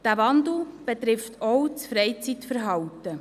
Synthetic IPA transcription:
d̥æːʋɑnd̪l̩b̥et̪ɾɪft̪ʰɔwt͡sfɾɛjt͡sitfəɾɦɑwtə

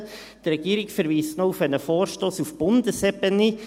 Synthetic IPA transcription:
t̪rɛɡ̥iːɾɪɡfəɾʋiːstnɔufɛnəfoːɾʃtoːsufb̥ʊnd̥əsɛbəni

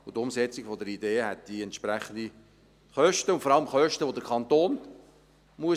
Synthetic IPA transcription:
ʊtʊmsɛt͡siɡ̥fɔdəɾideːɦɛt̚d̪̥iɛntʃpɾɛχənd̪i | χœʃtəʊntfɔɾɑləmχœʃtəʋodəɾkʰɑnt̪oːn | muə

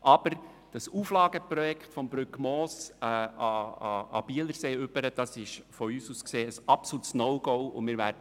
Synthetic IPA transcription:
ʔɑb̥əɾ | d̥ɑsuːflɑːɡəpɾɔjɛkχtfɔmb̥ɾʏkmɔːsɑɑɑ̰b̥iələɾseːʏb̥əɾəd̥ɑsɪʃfɔyːsuːskseːəsɑpsɔutsnɔwɡoʊʊ̰mɪːɾʋæːɾdə

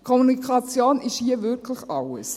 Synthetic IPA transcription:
kʰɔmunikχɑt͡sjoːnɪʃhiəvɪɾkʰləχɑwə̰s

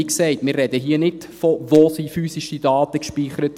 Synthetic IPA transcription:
iksɛɪtmɪːrɛdəɦiənɪt | fɔvosiːfyːsiʃidɑːtəkʃpiːχəɾət

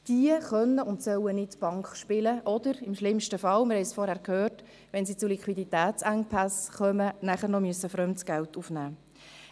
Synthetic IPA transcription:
d̥iəχœnːəʊntsœwənɪtb̥ɑŋkχʃpɪləʔɔd̥̪əɾɪmʃlɪmʃtəfɑlmɪɾhɛɪsfɔɾhæɾkhøːrt | ʋɛnsiːt͡sulikχwiditæːt͡sæŋpʰæsχœmənæχəɾnɔmyəsːəfɾœmtsɡ̥æltufnæː

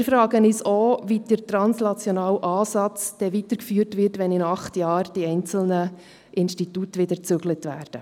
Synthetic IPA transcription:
ɪɾfɾɑːɡənisoːvid̥əɾtɾɑnsnɑt͡sjɔnɑːwʔɑːsɑt͡sd̥ɛʋitəɾkfyːɾtʋɪɾtʋɛnɪnɑχtjɑːrd̥iɛɪnt͡sl̩nə | ʔɪnʃtitutʋɪdəɾt͡sʏɡlətʋæːrd̥ə

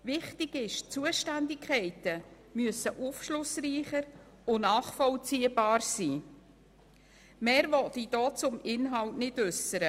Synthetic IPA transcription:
vɪχtɪɡɪʃt͡suəʃtændɪkʰɛɪtə | myəsəʔufʃlʊsriːχəɾ | ʊnɑːχfɔlt͡siːəbɑːrsiː | mɛːɾvɔtid̥ɔːt͡sʊmɪnɦɑltnɪdʉsəɾə

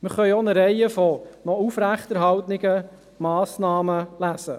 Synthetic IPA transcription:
məχœʏonəɾɛɪəfɔnɔufɾæχt̪ɛɾɦɑwtnɪɡə | mɑːsnɑːməlæsə

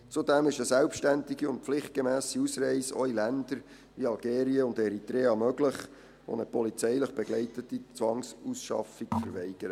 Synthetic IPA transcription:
t͡sud̪ɛmɪʃəsɛlpʃtændiɡiʊntpflɪχt̚ɡ̥emæːsiusɾɛɪso̰ilænd̪əɾ | ʋiɑlɡeːɾiəʊndɛɾit̪ɾeːɑmœɡləχ | o̰nəpɔlit͡sɛɪləχb̥ɛɡ̥lɛɪtətit͡sʋɑŋsusʃɑ̰fikfəɾvɛɪɡ̥əɾə

